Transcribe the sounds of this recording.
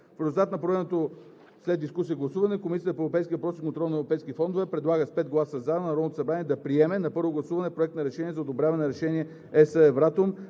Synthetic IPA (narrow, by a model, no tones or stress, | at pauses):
fɾɛzulˠt̪at̪nɐpɾɛnɛt̪o | slɛd̪̚d̪iskusijəɡlˠɐsuvɐnɛkomisiət̪əpoɛvɾopɛjskivɐpɾɔsikont̪ɾɔlˠnɛvɾopɛjskʲit̪fɔnd̪ovɛpɾɛd̪lˠaɡəspɛd̪̚ɡlˠasɐzanɐɾɔd̪not̪osɐbɾaniɛd̪ɐpɾiɛmɛnɐpɤɾvoɡlˠɐsuvɐnɛpɾoɛk̚t̪nɐɾɛʃɛniɛzɐod̪obɾʲjavɐnɛɾɛʃɛniɛ | ɛsəɛvɾat̪om